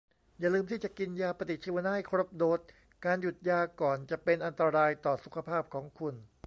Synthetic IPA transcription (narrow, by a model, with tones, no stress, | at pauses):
jaː˨˩lɯː˧mt̪ʰiː˥˩t͡ɕa˨˩ki˧njaː˧pɾa˧t̪i˨˩t̪̚t͡ɕʰi˧wa˧naː˥˩˨jkʰɾo˦˥˩p̚doː˦˩t̪̚ | kaː˧nju˨˩t̪̚jaː˧kɔː˨˩nt͡ɕa˨˩pe˧nʔa˧nt̪a˧ɾaː˧jt̪ɔː˨˩su˨˩kʰa˧pʰaː˥˩p̚kʰɔː˩˦ŋkʰu˧n